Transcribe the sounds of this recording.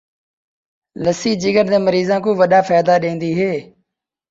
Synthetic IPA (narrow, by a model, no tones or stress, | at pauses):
ləsiːd͡ʒɪɡənd̪ẽːməɾiːzãːkõːʋəɗaːfaːd̪aːɗẽːnd̪iːɦeː